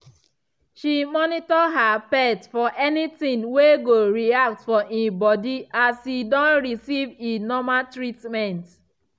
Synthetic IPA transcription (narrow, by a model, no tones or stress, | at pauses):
ʃimɔnitɔɦapɛtfɔʔɛnitĩŋweɡoɹiak̚tfɔʔĩbɔdiʔasidɔ̃nɹisivinɔmatɹitmɛ̃nt